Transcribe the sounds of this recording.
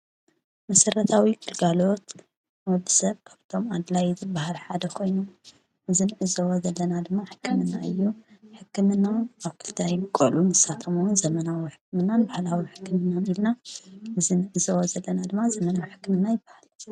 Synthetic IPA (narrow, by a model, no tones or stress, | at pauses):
mɐsɐɾɐt̪ʰawiɡʰɨlɡalo̞t̪ | wɔd̪isɐβkʰaβt̪ʰo̞mad̪lajzɨbahalħad̪ɐkʰo̞jnu | ʔɨzinɨʔɨzowozɐlːɐnad̪ɨmːaħɨ̥kʰːɨmɨnːaɨjːuħɨkːɨmɨnːawaβkʰɨ̥lt̪ʰajmɨkʼɐlunzɨsat̪ʰɐmuwnzɐmɐnawiħɨkːɨmɨnːanbahlawiħɨ̥kːɨmɨnːanilnaʔɨzinɨʔɨzowozɐlːɐnad̪ɨmːazɐmɐnawiħɨ̥kːɨmɨnːajɪbːahal